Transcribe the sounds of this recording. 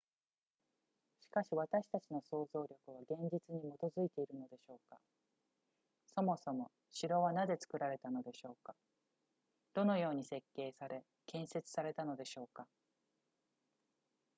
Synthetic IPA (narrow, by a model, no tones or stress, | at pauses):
ɕi̥kaɕiβ̞at̪aɕi̥t̪at͡ɕino̞so̞ːzo̞ːɾʲo̞kɯ̟βaɡẽ̞ɲ̟d͡ʑit͡sɨɲ̟imo̞t̪o̞zɨit̪e̞iɾɯno̞d̪e̞ɕo̞ːka | so̞mo̞so̞mo̞ | ɕiɾo̞βanad̪e̞t͡sɨ̥kɯ̟ɾaɾe̞t̪ano̞d̪e̞ɕo̞ːkḁ | d̪̥o̞no̞jo̞ːɲ̟ise̞kːe̞ːsaɾe̞ | kẽ̞ɰ̃se̞t͡sɨ̥saɾe̞t̪ano̞d̪e̞ɕo̞ːka